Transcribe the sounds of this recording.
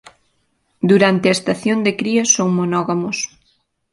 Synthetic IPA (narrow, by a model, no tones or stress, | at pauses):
d̪uɾant̪ɪɐest̪aθjond̪ekɾiɐsoŋmonɔɣamos